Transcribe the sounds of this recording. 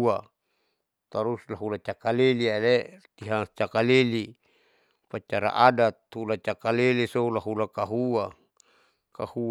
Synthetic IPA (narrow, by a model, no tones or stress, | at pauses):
a | t̪aɾuslaɦulat͡ʃakalelialet̪iɦat͡ʃakaleli | pat͡ʃaɾa̰ʔadat̪̚hulat͡ʃakalelisolaɦulakaɦua | kahu